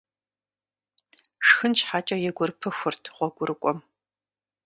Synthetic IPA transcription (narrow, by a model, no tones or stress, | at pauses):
ʂxɨnt͡ʃħaːt͡ʃʼɐjɛɡʷʊrpʰɨxʷʊrtʰʁʷɔɡʷʊrɨkʷʼɔm